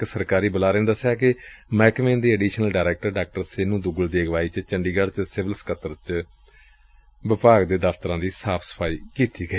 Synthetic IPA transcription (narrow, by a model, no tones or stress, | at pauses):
ksəɾkaːɾiːbəlaːɾẽːnd̪əsaːkɪmɛːkmẽːnd̪iːəɖiːʃnəlɖaːɾɛːk̚ʈəɾɖaːk̚ʈəɾsenũːd̪ʊɡəld̪iːəɡʋaːiːt͡ʃt͡ʃəɳɖiːɡəɽt͡ʃsɪʋəlskət̪əɾt͡ʃ | ʋɪpaːɡd̪eːd̪əfʰt̪əɾãːd̪iːsaːpʰsə̥pʰaːiːkiːt̪iːɡəiː